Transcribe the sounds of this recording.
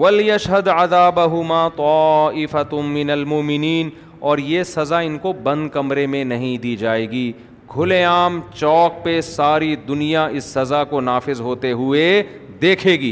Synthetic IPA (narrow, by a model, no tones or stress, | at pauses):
ʋɐlɪjɐʃɦɐd̪ɐðaːbɐɦʊmaːt̪ɔːɪfɐmɪnɐlmʊmɪniːn | ɔːɾjesɐzaɪnkobɐ̃nd̪̚kɐmɾemẽnɐɦĩd̪iːd͡ʒaːeːɡiː | ɡʱʊlẽaːmt͡ʃɔːk̚pesaːɾid̪ʊnijaɪsːɐzakonaːfɪzɦoːt̪eɦʊe | d̪eːkʰeːɡiː